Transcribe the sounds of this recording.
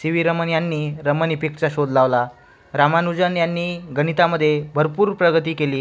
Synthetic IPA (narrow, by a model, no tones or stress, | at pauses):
siʋiɾəmənjanːiːɾəmənipikt͡ɕaɕod̪ʱlaʋla | ɾamanud͡ʑənjanːiːɡənit̪aməd̪ʱːjebʱəɾpuːɾpɾəɡət̪iːkeliː